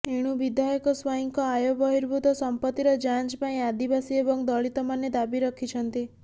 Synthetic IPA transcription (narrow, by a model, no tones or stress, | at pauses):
eɽ̃ubid̪ʱjajɔkɔswaɦiŋkɔajobɔɦiɾbʱut̪ɔsɔmpɔt̪ːiɾɔd͡ʒant͡ʃpaĩad̪ibasiebɔŋd̪ɔɭit̪ɔmanːed̪abiɾɔkʰit͡ʃʰɔnt̪i